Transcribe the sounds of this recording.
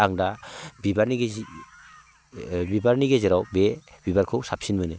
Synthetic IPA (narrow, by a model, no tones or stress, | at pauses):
aŋdabibaɾniɡ | bibaɾniɡeziɾawbe | bibaɾkʰɯwsap̚sinmɯnɯ